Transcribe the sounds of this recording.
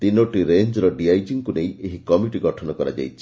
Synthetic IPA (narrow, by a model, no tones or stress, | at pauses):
t̪inoʈiɾeɲd͡ʒɾɔɖiajd͡ʒiŋkunejʔeɦikɔmiʈiɡɔʈʰɔnɔkɔɾa̰d͡ʒa̰jt͡ʃʰi̥